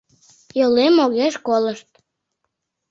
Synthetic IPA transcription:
jəlemːoɣeʃkoləʃt̪̚

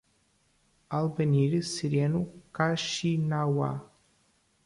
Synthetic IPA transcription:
alˠbənʲiɾʲsiɾʲenukaʃinawa̰

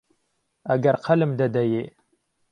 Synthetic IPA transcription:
ɐɡɐɾqʰɐlɨmd̪ɐd̪ɐje

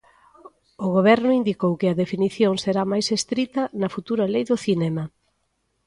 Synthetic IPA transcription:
ʊɣ̞oβ̞ɛɾnʊind̪ikowkɪɐðefiniθjoŋseɾamajsest̪ɾit̪ɐnɐfut̪uɾɐlejðʊθinɛmɐ

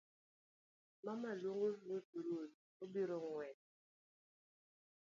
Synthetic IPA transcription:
mamaloŋobuduɾot̚ | obiɾɔŋwɛ

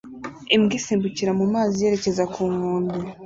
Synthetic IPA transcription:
emɡisiːmbuciɾamumaːzije̞ːɾe̞ce̞zakʰuːŋuːndu

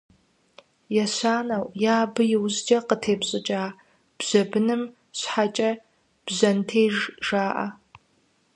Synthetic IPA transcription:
jɛɕaːnɐwjaːbɨjɪwzd͡ʒɐqətʰeːbɕʼɪt͡ʃʼaː | b̥z̥ɐbɨnɨm | ɕħat͡ʃʼɐ | b̥zɐntʰeːʒʒaːʔa̰

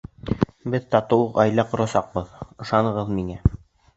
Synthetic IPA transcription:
bɘðt̪ɑt̪ŏwɤqɑjlæqŏɾɑsɑq̚bɤðɤ̆ʃɑnɤ̆ʁɤðmiŋæ

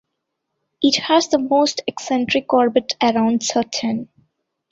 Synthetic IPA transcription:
ɪʈhæzd̪əmoːsʈɛksɛ̃ɳʈɾɪkɔːɾbɪʈʰəɾãʊ̃ɳɖsəʈʰə̃n

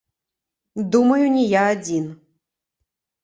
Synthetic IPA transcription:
d̪umɐjunʲɛjaːd͡zʲin

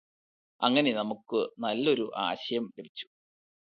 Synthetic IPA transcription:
ɐŋːɐne̞nɐmukːɨnɐlːo̞ɾuʔa̰ːɕɐjɐmlebit͡ɕːu̥

